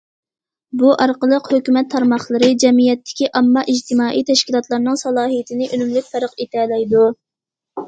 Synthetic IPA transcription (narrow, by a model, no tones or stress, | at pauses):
buʔɑɾqəlˠəqhøkʲymɛt̪ʰːɑɾmɑχlˠəɾɨd͡ʒɛmijɛt̪ːɪ̥kʲiʔɑmːɑʔid͡ʒt̪ʰɪmɑːʔijt̪ʰɛʃkʲilˠɑt̪lˠɑɾnɨŋsɑlˠɑːɦijɪt̪ʰɪnɪʔynymlyk̚ʲfæɾəqet̪ʰɛlɛjd̪u